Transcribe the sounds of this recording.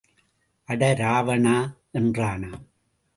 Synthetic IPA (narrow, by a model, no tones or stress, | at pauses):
ʔɐɽɐɾaːʋɐɳaːʔɛndraːnaːm